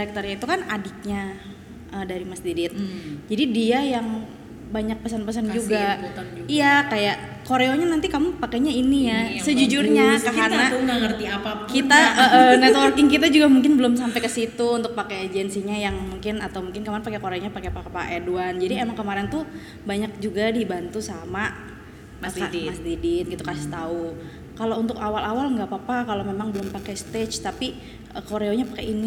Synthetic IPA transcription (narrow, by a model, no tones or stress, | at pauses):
daɾɛk̚t̪ərɲait̪ukanadɪk̚ɲa | əːdaɾimasd̪idɪt̪̚d͡ʒadidiajaŋ | baɲak̚pəsanpəsand͡ʒuɡaijakajaʔ | koɾeoɲanant̪ikamupakaɲainijasəd͡ʒud͡ʒʊrɲakaɦanaŋaŋərt̪iapakit̪aʔəʔənɛt̪wɔrkɪŋkit̪ad͡ʒuɡamuŋkɪnbəlʊmsampejkəsit̪uunt̪ʊk̚pakeːd͡ʒɛnsiɲajaŋmuŋkɪnat̪awmuŋkɪnkəmaɾɛnpakekoɾeoɲapakepapaʔeduand͡ʒadiemaŋkəmaɾɛnt̪u | baɲak̚d͡ʒuɡadibant̪usama | aasd̪idɪt̪̚ɡit̪ukasɪ̥t̪au | kalount̪ʊkawalʔawalŋɡapapakalomemaŋbəlʊmpakɛjsə̥t̪et͡ʃt̪api | əkoɾeoɲapakɛini